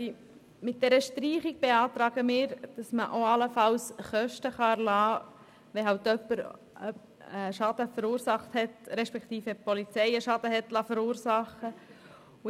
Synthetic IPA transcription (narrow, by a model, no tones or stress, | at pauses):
mɪt̚d̥ɛɾəʃtɾiːχiɡ̥̚b̥eɑːt̪ɾɑːɡ̥əmɪːɾd̥ɑsməʔoɑləfɑlsχœʃtəχɑælɑː | ʋɛɦɑwtœpːəɾ | əʃɑd̥̪əfəɾuːɾsɑχthɛtɾɛʃpɛkt̪iːfəpɔlit͡sɛɪəʃɑd̪əɦɛtlɑfəɾuːɾsɑχə | u